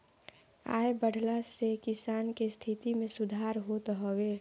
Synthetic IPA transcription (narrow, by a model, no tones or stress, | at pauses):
a̰ːebəɽ̤ʱlasekɪsaːnkest̪ʰit̪imẽsʊd̪ʱaːɾɦot̪ɦɔwe